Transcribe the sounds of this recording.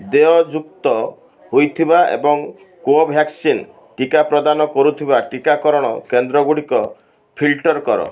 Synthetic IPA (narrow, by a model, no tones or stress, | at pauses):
d̪eɔd͡ʒuk̚t̪ɔ | ɦojt̪ʰibaḛbɔŋ | koɔbʱjaksin | ʈikapɾɔd̪anɔkɔɾut̪ʰibaʈikakɔɾɔɽ̃ɔ̰kend̪ɾɔɡuɽikɔ | pʰilʈɔɾkɔɾɔ̰